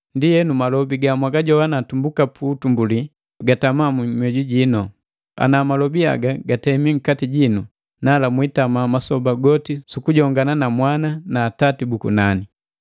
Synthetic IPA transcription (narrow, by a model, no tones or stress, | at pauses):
ndijɛnumalɔbiɡamwaɡaɟɔwanatumbukapʰuːtumbuli | ɡatamamumwɛɟuɟinɔ | a̰namalɔbia̰ɡaɡatɛmiŋ̩katiɟinu | nalamwitamamasɔbaɡɔtisukuɟɔŋɡananamwananaːtatibukṵnani